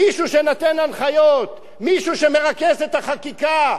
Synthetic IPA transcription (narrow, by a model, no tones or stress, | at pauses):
iʃuʃenat̪enanχajo̞t̪ | miʃuʃeme̞ʁakeset̪aχakika